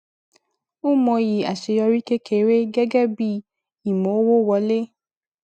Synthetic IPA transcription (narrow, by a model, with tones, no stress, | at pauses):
u˦mɔ̃˧ji˨a̰˨ʃe˧jɔ˧ɾi˦ke˦kʰe˨˦ɾe˦ɡɛ˦ɡɛ˦bi˦ | i˨mõ˨˦wo˦wɔ˧˦le˦